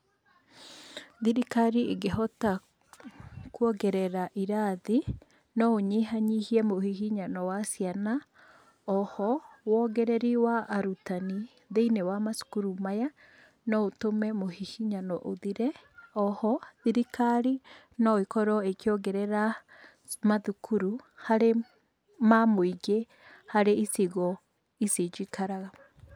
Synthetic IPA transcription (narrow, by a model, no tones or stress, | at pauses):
ðiɾikaɾieɡeɦɔta | kuɔɡɛɾɛɾaʔiɾaði | nɔoɲeɦaɲihiɛmohihiɲanɔwasjana | ɔhɔwɔɡɛɾɛɾiwaʔːɾutani | ðeinewamasu̥kuɾumaja | nɔotomɛmohihiɲanɔʔoðiɾɛ | ɔhɔðiɾikaɾi | nɔekɔɾɔekjɔɡɛɾɛɾa | maðukʰuɾuhaɾe | mamoiɡe | haɾeisiɣɔ | ised͡ʒikaɾaɣa